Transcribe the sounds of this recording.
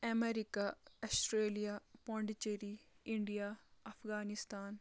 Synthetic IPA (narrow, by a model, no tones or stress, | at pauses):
ɐmeɾikaɐsʈɾeːlijapõːɳɖit͡ʃeɾiɪɳɖijaːɐfʰɡaːnɪst̪aːn